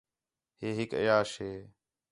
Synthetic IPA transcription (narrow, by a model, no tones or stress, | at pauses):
ɦeːɦɪkə̰jaːʃɦeː